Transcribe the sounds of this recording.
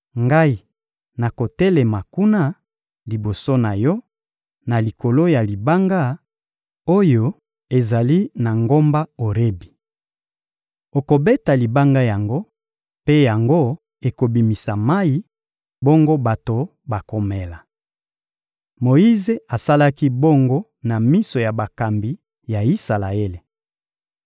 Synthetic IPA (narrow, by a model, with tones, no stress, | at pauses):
ŋɡa˦i˦ | na˨ko˨tɛ˦lɛ˨ma˨ku˦na˦ | li˨bo˨so˦na˨jɔ˦ | na˨li˨ko˨lo˦ja˨li˨ba˦ŋɡa˦ | o˦jo˨ | e˨za˨li˦na˨ŋɡo˦mba˦o˨ʁe˦bi˨ | o˨ko˨be˦ta˨li˨ba˦ŋɡa˦ja˨ŋɡo˦ | pe˦ja˨ŋɡo˦ | e˨ko˨bi˨mi˨sa˨ma˦i˦ | bo˦ŋɡo˦ba˨to˨ | ba˨ko˨me˨la˨ | mo˨i˦ze˨a˨sa˦la˦ki˦bo˦ŋɡo˦ | na˨mi˦so˨ja˨ba˨ka˨mbi˨˦ | ja˨i˦sa˨la˨e˦le˨